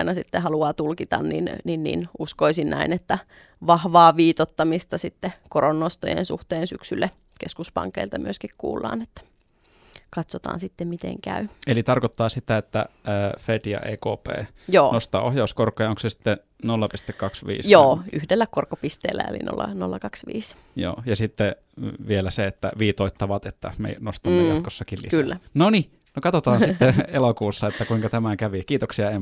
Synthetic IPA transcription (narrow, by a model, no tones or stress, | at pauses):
inɑsit̪ːehɑluɑːt̪ulkit̪ɑ̰nnḭnninnḭːnuskoisinnæinet̪ːæ | ʋɑhʋɑːʋiːt̪ot̪ːɑmist̪ɑsit̪ːekoronːost̪ojḛnsṵht̪eːnsyksylːæ | keskuspɑ̰ŋkːḛilt̪ɑmyøskikkṵːlːɑ̰ːnet̪ːæ̥ | kɑt̪sot̪ɑ̰ːnsit̪ːemit̪ḛŋkæ̰yelit̪ɑrkot̪ːɑːsit̪æet̪ːæəːfet̪jɑ̰ʔeːko̰ːpḛː | joːnost̪ɑ̰ːohjɑuskorkːˑojɑoŋksesi̥t̪ːe | nolːɑpist̪ekkɑksʋḭːsjoːyhdelːækorkːopist̪ḛːlːæ̰ḛlḭno̰lːɑ̰no̰lːɑkɑksʋḭːs | jo̰ːjɑsit̪ːe | ʋielæseet̪ːæ̰ʋiːt̪oit̪ːɑʋɑt̪et̪ːæ̰mḛnost̪ɑmːejɑkosːɑkillːḭsklːænoni | nokɑt̪ot̪ɑːnsit̪ːeelokuːsːɑet̪ːækuiŋkɑt̪æmækæʋikiːt̪oksiɑem